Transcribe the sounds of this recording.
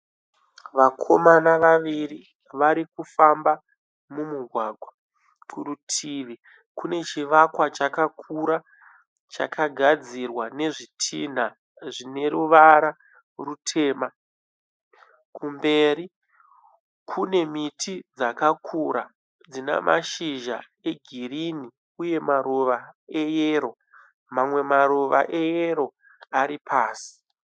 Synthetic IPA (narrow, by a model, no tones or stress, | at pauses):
ʋakʰo̞manaʋaʋiri | ʋaɾikufamba | mumuɡʱwaɡʱwa | kurutʰiʋi | kune̞t͡ʃiʋakwat͡ʃakakʰuɾa | t͡ʃa̰kʰaɡʱad͡zirwane̞ʐitʰin̤a | ʐine̞ɾuʋaɾa | rutʰe̞ːma | kʰumbe̞ːɾi | kʰune̞mitʰid͡zakakʰuɾa | d͡zina̰mʔa̰ʃiʒa̰ | e̞ɡʱirini | uje̞maɾoʋae̞jeːɾo̞ | mamwe̞maɾoʋa̰ʔe̞jeɾo̞ | aɾipʰaːsi̥